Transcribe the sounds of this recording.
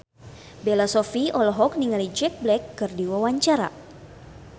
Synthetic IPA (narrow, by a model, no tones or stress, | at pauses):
belasɔfiɔlɔɦɔk̚niŋalid͡ʒɛk̚blɛkːɨrdiwawaɲt͡ʃaɾa̰